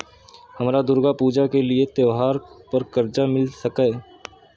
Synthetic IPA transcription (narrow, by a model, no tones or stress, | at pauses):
hɐmɾad̪ʊɾɡapuːd͡ʒakeliet̪jəʋɦaːɾpəɾkɐɾd͡ʒamɪlsɐkɛː